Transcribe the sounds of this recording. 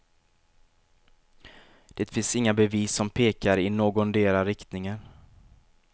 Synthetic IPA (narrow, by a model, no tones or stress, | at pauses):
d̪̥eːt̪fɪnsɪŋːabɛviːsːɔmpʰeːkaɾɪnoːɡɔnd̪eːɾaɾɪkt̪nɪŋən